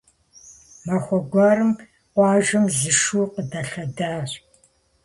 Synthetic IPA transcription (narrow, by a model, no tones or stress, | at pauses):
mɐxʷɔɡʷɑːɾɨm | qʷɑːʒɨmzɨʃuːqədɐɬɐdaːr